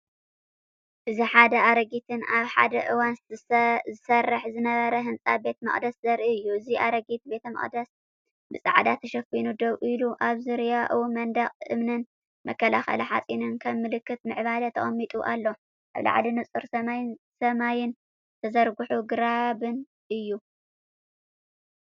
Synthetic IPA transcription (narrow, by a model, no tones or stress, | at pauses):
ʔɨziħad̪ɐaɾɐɡit̪ʰɨnaβħa̰d̪ɐʔɨwanszɨsɐrːɨħzɨnɐβɐɾɐɦɨnt͡sʼa̰be̞t̪mɐ̰χʼd̪ɐszɐɾʔiɨjːuɨziʔaɾɐɡit̪̚be̞t̪ʰɐmɐ̰χʼd̪ɐs | bɨsʼɨ̰ʕd̪at̪ʰɐʃɐfinud̪oβʔɨluʔaβzɨɾjaʔɨwumɐnd̪ɐχʼɨ̰mnɨn | mɐ̰kːɐlaxɐ̰lɐħa̰t͡sʼinɨnkʰɐmːɨlɨkːɨt̪̚mɨʕβalɐt̪ʰɐχʼɐmːit̪ʼuʔa̰lːo | ʔa̰βla̰ʕ̰linɨt͡sʼɨɾsɐmajsɐmajɪn | t̪ʰɐzɐɾɡuħuɡɨɾabɨn | ʔɨjːu